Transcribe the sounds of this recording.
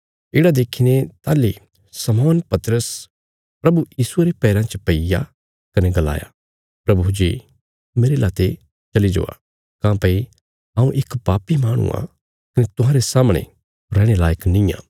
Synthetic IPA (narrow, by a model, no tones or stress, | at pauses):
ɪːɽad̪eːkʰinet̪aːli | sɐmɔːnpɐt̪ɾəs | pɾɐbujiːsueɾepɛːɾãt͡ʃəpɐija̰ | kɐneɡɐla̰ːja̰ | pɾɐbud͡ʒiː | meːɾelaːt̪e | t͡ʃɐlid͡ʒo̰ːa̰ | kãːpɐi | ãːũʔekpaːpimaːɽ̃ṵã̰ | kɐnet̪ʊɦãːɾesaːmɽ̃ḛ | ɾɛːɽ̃elaːjəknɪ̃jã̰ː